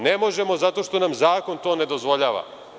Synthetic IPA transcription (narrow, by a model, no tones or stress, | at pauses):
nemo̞ʒemo̞zat̪o̞ʃt̪o̞namzaːko̞nt̪o̞ːne̞d̪o̞zʋo̞ʎaːʋa̰